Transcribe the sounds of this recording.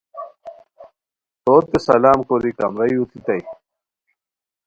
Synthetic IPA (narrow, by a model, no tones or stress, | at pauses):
t̪oːɾt̪esɐlaːmkoɾikɐ̰mɾɐjut̪it̪ɐj